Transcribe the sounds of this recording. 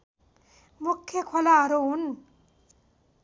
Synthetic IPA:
mukʰːekʰalaːɾuːn

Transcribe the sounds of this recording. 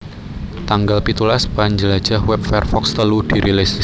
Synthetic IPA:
t̪aŋɡalpit̪ulaspaɲd͡ʒəlḁd͡ʒ̥ahwɛp̚fɛrfɔkst̪əlud̥iɾʔilis

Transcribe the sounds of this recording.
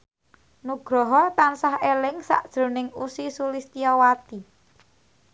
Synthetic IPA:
nuɡ̥ɾɔɦɔt̪ansahelɪŋsa̰ʔd̥ʒ̥ɾo̤nɪŋusisulist̪iɔwat̪i

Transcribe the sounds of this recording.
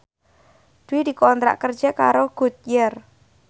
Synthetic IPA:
d̪̥uwid̪i̤kɔnt̪ɾa̰ʔkərd̥d͡ʒɛka̰ɾoɡ̥ṳt̪̚jər

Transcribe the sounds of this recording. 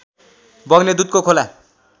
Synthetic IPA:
bʌɡned̪ut̪̚kokʰola

